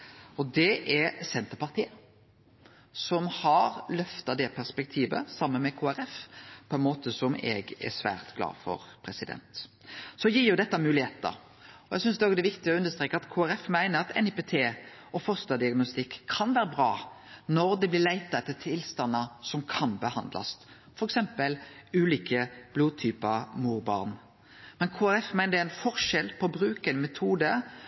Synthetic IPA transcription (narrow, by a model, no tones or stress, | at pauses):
ɔd̪ɛʔɛɾsɛnt̪əpɑʁt̪ʰiːə | sɔmhɑɾlœft̪ɑd̪ɛpʰæʁspɛk̚t̪ʰiːʋə̰sɑmːənmɛkʰoːæɾɛfpʰɔɛnmoːt̪əsɔmɛ̰ɡɛ̰sʋæ̰ːɾt̪ɡlɑ̰ːfɔ̰ɾpʰɾɛsɪd̪ɛ̰nt̪ | sɔjiːɾjʊd̪ɛt̪ːɑmʉːlɪheːt̪ə̰ɾ | ɔɛɡsʏnsd̪ɛoːɡd̪ɛʋɪkt̪ɪɔʉnd̪əst̪ɾeːkːəɑt̪kʰoːæɾɛfmæɪnəɾɑt̪ɛnɪpeːt̪ʰeːɔfɔʁst̪ɑd̪ɪɑɡnɔst̪ɪkʰːɑnʋæːɾəbʁɑːnɔɾd̪ɛblɪʁlæɪt̪ɑɛt̪ːət̪ʰɪlst̪ɑnːəsɔmkʰɑnbəhɑnd̪lʔɑ̰s | fɔɾɛksɛmpəlʉːliːkəb̥luːt̪ʰyːpɑmuːɾbɑ̰ʁn | mɛnkʰoːæɾɛfmæɪnəd̪ɛæɪnfɔʁʂɛlpʰɔɔbɾʉːkɛnmɛt̪ʰuːd̪ə